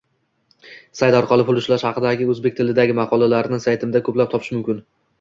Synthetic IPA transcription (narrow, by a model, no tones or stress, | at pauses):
sajt̪ɒɾqʰɒlˠɪpʊlˠʊʃlaʃhɑqɨd̪aɡʲɪɵzbe̞k̚ʲt̪ʰɪlɪd̪aɡʲɪmɑqʰɒlˠalaɾɪnɪsajt̪ʰɪmɪd̪akʰɵplap̚t̪ʰɒpʰɪ̥ʃmʊmkʲɪn